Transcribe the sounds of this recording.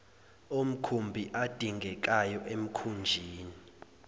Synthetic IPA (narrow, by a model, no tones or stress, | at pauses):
om̩kʰumbʱiʔad̥ʱiŋʱɛk̬ʼajɔʔem̩kʰund͡ʒʱiːni